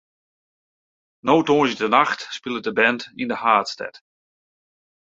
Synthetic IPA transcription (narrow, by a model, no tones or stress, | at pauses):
nowtoəjdənaxtspɪlˠədəbɛntindəhaːtstɛ̰t